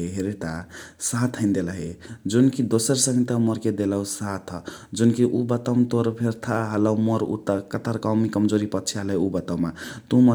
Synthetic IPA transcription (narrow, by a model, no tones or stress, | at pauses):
ɦeɾet̪asat̪ʰɦəɪnd̪eləɦed͡ʒunkid̪osəɾsəŋɡt̪amɔɾked̪eləusat̪ʰd͡ʒunkiʔubət̪əmt̪oɾpʰeɾt̪ʰaɦələmɔɾṵt̪akət̪aɾkawmikʌmd͡ʒoɾipʌtːt͡ʃʰiɦəlɦeubət̪awmat̪umə